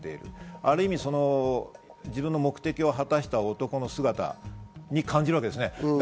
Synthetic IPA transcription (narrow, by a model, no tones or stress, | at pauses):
t̪e̞ḭɾɯ̟̰aɾɯ̟imʲiso̞no | d͡ʑibɯ̟̃nːo̞mo̞kɯ̟̥t̪e̞kʲio̞ɦat̪aɕi̥t̪aot̪o̞ko̞no̞sɨɡat̪a̰ɲ̟ikãɲ̟d͡ʑiɾɯβakeesɨne̞